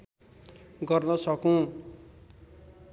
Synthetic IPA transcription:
ɡʌrnʌsʌkõ

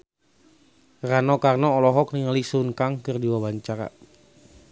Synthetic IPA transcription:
ranɔkarnɔːlɔɦɔk̚niŋalisunkaŋkərdiwabaɲt͡ʃaɾa̰

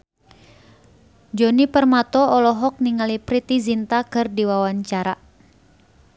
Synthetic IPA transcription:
d͡ʒɔnipərmat̪ɔɔlɔɦɔk̚niŋalipɾit̪izint̪akɨrdiwawaɲt͡ʃaɾa

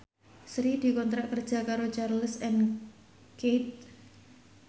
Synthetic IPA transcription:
sɾid̪̥i̤kɔnt̪ɾaʔkərd̥ʒ̥a̤kaɾot͡ʃarləsɛn | ket̪̚

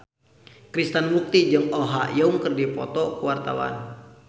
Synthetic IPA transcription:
kɾist̪ənbuk̚t̪id͡ʒɨŋɔɦa̰jauŋkɨrdipɔ̰t̪ɔkuwart̪a̰wa̰n

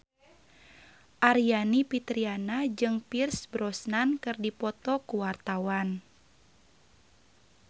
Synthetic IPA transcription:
ʔaɾijanipit̪ɾianad͡ʒɨŋpirsbɾɔsnankɨrdipɔt̪ɔkuwart̪awan

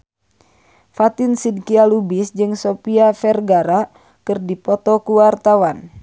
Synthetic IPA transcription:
fat̪ɪnsidkialubisd͡ʒɨŋsopiafɛrɡaɾa | kɨrdipɔt̪ɔkuwart̪awan

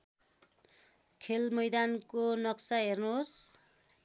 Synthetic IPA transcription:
kʰelmʌjd̪ankonʌksaɦernuɦos

